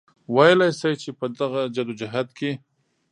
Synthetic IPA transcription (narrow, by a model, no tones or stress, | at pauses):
wajlajsajt͡ʃepəd̪aɣad͡ʒad̪od͡ʒaɦad̪̚kʰe